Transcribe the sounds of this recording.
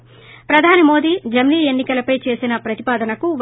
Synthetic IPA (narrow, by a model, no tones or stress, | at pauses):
pɾɐd̪ʱaːnimo̞ːd̪iːd͡ʒɐmniːe̞nːikɐlɐpɐjt͡ʃe̞ːsinɐpɾɐt̪ipaːd̪ɐnɐkuʋ